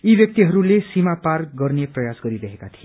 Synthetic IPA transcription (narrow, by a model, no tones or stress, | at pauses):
ibjʌk̚t̪iɦʌɾulesimaparɡʌrneprʌjasɡʌɾiɾʌɦekat̪ʰie